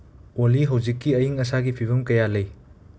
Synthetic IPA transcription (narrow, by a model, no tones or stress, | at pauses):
oliɦɐwzikːiɐjiŋɐsaɡipʰibɐmkɐjalɐj